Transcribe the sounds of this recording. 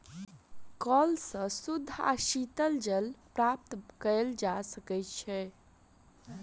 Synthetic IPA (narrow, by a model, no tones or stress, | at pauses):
kɔlsə̃sud̪ʱːa̰ʃit̪əld͡ʒəlpɾap̚t̪kəld͡ʒasəkɛtt͡ʃʰɛ